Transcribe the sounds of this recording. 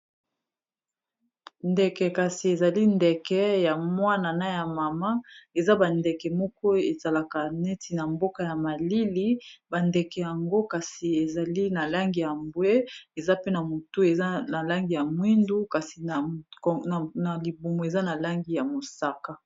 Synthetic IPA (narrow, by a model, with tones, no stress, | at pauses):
ndɛ˨kɛ˨ka˨si˨e˨za˨li˦ndɛ˨kɛ˦ja˨mwa˦na˨na˦ja˨ma˨ma˦e˨za˦ba˨ndɛ˨kɛ˨mɔ˦kɔ˦e˨za˨la˨ka˨nɛ˦ti˨na˨mbo˦ka˨ja˨ma˨li˦li˦ba˨ndɛ˨kɛ˨ja˨ŋɡo˦ka˨si˨e˨za˨li˦na˨la˦ŋɡi˨ja˨mbwe˦e˨za˦pe˦na˨mo˨tu˦e˨za˦na˨la˦ŋɡi˨ja˨mwi˦ndu˦ka˨si˨ | na˨li˨bu˨mo˨e˨za˦na˨la˦ŋɡi˦ja˨mo˨sa˦ka˦